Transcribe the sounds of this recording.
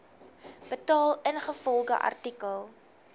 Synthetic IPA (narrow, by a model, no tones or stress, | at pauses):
b̥ətɑːlənχəfɔlˠdə̰ʔɐ̰rtikəlˠ